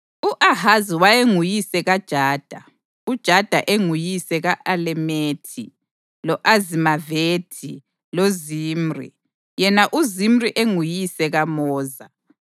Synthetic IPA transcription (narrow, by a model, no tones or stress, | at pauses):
uʔahaziwajeŋujisɛɣad̥ʒ̥ʱaːd̥ʱa | ud̥ʒ̥ʱad̥ʱa̰ʔeŋujisɛɣaʔalɛmetʰi | lɔʔazimaveːtʰi | loziːm̩rḭ | jɛnaʔuzim̩riʔeŋujisɛɣamɔːza